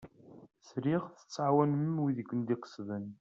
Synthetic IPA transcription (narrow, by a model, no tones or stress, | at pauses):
sɾiʁθə̥t͡sːʕwænəmwiðəɡʷːənd̪iqə̥sðən